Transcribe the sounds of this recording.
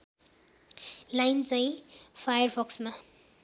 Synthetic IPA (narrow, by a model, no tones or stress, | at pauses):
lajnt͡saj̃pʰajʌrbʰʌksma